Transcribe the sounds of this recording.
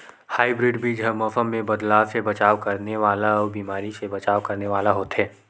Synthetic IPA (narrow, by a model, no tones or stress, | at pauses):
haːibɾɪːɖbʱid͡ʒɦəmɔfəmːẽbɐd̪laːʋsebɐt͡ʃaːʋkɐɾneʋaːlaɔːɾbiːmaːɾisebɐt͡ʃaːʋkɐɾneʋaːlaɦoːt̪ɦɛː